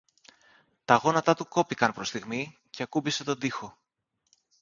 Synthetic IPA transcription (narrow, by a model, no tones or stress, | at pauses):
t̪ɐɣo̞nɐt̪ɐt̪uko̞pikɐnpɾo̞st̪iɣmice̞ɐkubise̞t̪o̞nd̪ixo̞